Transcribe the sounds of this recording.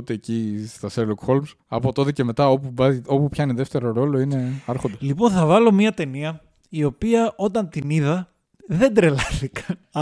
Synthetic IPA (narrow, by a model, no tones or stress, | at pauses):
ot̪eːcist̪ɐselokxo̞lms | ɐ̰po̞t̪o̞t̪ece̞me̞t̪ɐopuvɐo̞pupçɐineðeft̪e̞ɾo̞ɾo̞lo̞ine̞ɐɾxond̪ɐslipo̞nθɐvɐlo̞miɐt̪e̞niɐ | io̞piɐʔo̞t̪ɐnt̪iniðɐ | ðe̞nd̪ɾe̞lɐθikɐn